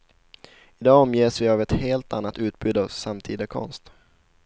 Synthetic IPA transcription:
ɪd̪ɑːɔmjeːsvɪavɛt̪heːlt̪anːat̪ʉ̟ːt̪̚bʉːd̪asamt̪ʰḭːd̪akʰɔ̰nst̪

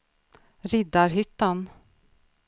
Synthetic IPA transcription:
ɾɪd̪aɾɦʏt̪ːan

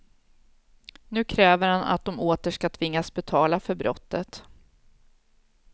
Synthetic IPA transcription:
nʉ̟ːkʰɾɛːvəɾhana̰t̪̚d̪ɔmoːt̪əʂkat̪ʰvɪŋːasbɛt̪ʰɑːlafœɾbɾɔt̪ːət̪

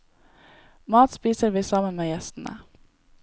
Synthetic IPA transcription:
mɑːt̪spiːsəɾʋiːsɑːmənmeːjɛst̪n̩ʔə̰

